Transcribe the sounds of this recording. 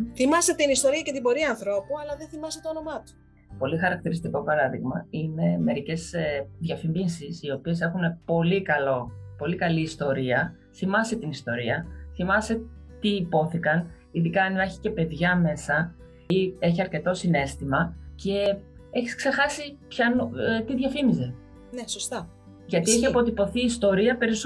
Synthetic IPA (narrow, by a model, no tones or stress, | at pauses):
θimɐset̪inist̪o̞ɾiɐcet̪ibo̞ɾiɐːnθɾo̞puɐlɐðenθimɐset̪oono̞mɐt̪u̥ | po̞lixɐɾɐkt̪iɾist̪iko̞pɐɾɐðḭɣmɐine̞me̞ɾice̞z̥ðʝɐfimbinsisio̞pie̞se̞xune̞po̞likɐlo̞po̞likɐliːst̪o̞ɾiɐ | θimɐset̪inist̪o̞ɾiɐθimɐse̞t̪iːpo̞θikɐn | iðikɐniɐçi̥ce̞pe̞ðʝɐme̞sɐ | ie̞çiɐɾce̞t̪o̞sine̞st̪imɐce̞e̞çi̥skse̞xɐsipçɐnt̪iðʝɐfimize̞ | nesost̪ɐ | ʝɐt̪ieçiɐpo̞t̪ipo̞θiːst̪o̞ɾiɐpe̞ɾis